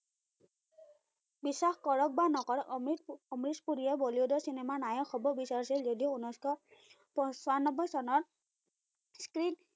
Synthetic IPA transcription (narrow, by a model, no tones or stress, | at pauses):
bisːaxkɔɹɔk̚banɔkɔɹiɔmɹispuɾijɛbɔliodɔɹsinɛmanajɔkxɔbɔbisaɹsilzɔdiounɔskɔ | pɔsanɔbɔjsɔnɔɹ | skɹin